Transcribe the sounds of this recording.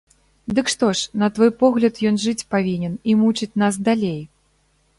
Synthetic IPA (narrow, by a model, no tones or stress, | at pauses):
d̪ɨkʂt̪ɔʂnɐt̪vɔjpɔɣlʲɐt̪jɔnʐɨt͡sʲpavʲinʲɛnimut͡ʂɨt͡sʲnas̬d̪alʲej